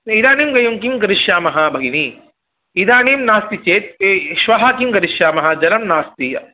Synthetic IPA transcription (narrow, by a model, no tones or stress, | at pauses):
id̪aːniːmɡɐjuŋkimɡɐɾiʃjaːmɐɦɐbʱɐɡini | id̪aːniːmnaːst̪it͡ʃeːt̪̚ːʃʋɐɦakimɡɐɾiʃjaːmɐɦɐd͡ʒɐlɐmnaːst̪ijɐ